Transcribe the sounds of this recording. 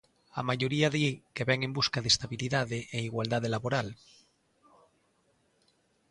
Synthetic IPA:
a̰maʝoɾiaðikeβeŋembuskaðest̪aβiliðaðeʔeiɣwald̪að̞elaβoɾal

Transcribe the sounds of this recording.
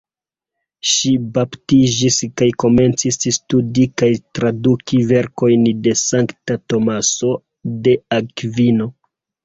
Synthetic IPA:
ʃibaptid͡ʒiskajko̞me̞nt͡sisstudikajtɾadukive̞ɾko̞jnde̞saŋktato̞maso̞ | de̞akvino̞

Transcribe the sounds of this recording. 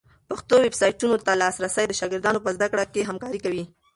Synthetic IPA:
paxt̪owebsɑjʈunot̪alɑsɾasajd̪əʃɑɡɪɾd̪ɑnopəzd̪akɽakeɦamkɑɾikawi

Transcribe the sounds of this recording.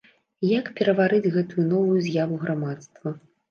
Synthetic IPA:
jakpʲɛɾɐvaɾɨd͡zʲɣɛt̪ujunɔvujuzʲjavuɣɾamat̪st̪vɐ

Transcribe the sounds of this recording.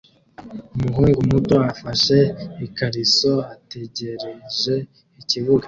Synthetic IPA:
umuɦuːŋɡumuto̞afaʃe̞ikaɾiso̞ate̞ɟe̞ɾe̞ʒe̞ | iciβuɡa

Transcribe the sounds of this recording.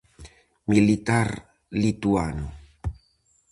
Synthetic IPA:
milit̪aɾ | lit̪uano

